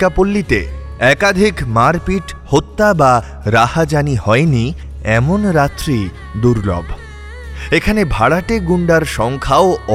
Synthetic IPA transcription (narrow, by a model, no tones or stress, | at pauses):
apolːit̪ḛ | ɛkad̪ʱikmaɾpiʈhot̪ːaba | ɾahad͡ʑanihɔeni | ɛmonɾat̪ːɾi | d̪uɾlɔ̰bʱ | ekʰanebʱaɽaʈeɡuɳɖaɾʃɔŋkʰaoɔ